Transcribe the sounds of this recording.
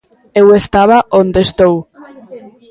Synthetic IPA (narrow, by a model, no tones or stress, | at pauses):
ewest̪aβaʔond̪est̪ow